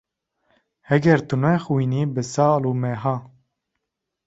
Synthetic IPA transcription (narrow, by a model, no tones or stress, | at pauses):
hɛɡɛɾt̪unɛxwiːniːbɨsɑːluːmɛɦɑː